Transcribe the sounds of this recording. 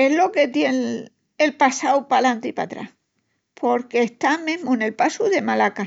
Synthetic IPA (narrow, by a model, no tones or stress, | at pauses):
e̞ɦlo̞ke̞t̪je̞n | elpasawpalant̪ipa̰t̪ɾa̰h | pʰo̞ɾke̞ːht̪amẽɦmone̞lpasuðe̞malaka